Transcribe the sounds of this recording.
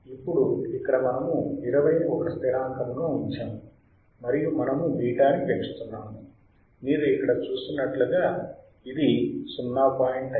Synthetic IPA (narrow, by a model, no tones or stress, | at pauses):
ipːuɽuikːɐɽɐmɐnɐmuiɾɐʋɐjɔkɐst̪ʰiɾaːŋkɐmɡaːuɲt͡ʃaːmu | mɐɾijumɐnɐmuʋiːʈaːnipeɳt͡ʃu̥t̪unːaːmu | niːɾuikːɐɽɐt͡ʃuːsinːɐʈluɡaː | id̪isunːaːpaːjiɳʈɐ